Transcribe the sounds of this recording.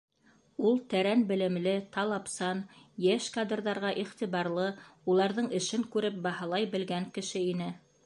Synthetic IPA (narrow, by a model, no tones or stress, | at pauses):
ulˠt̪æɾænbɘ̆lɘ̆mlɘt̪ɑlˠɑpsɑnjæʃkad̪rðɑɾʁɑʔiχt̪iβɑɾlˠɤulˠɑɾðɤɴɘ̆ʃɘŋkʉɾɘp̚bɑhɑlˠɑjbɘ̆lɡæŋkɘ̆ʃɘinɘ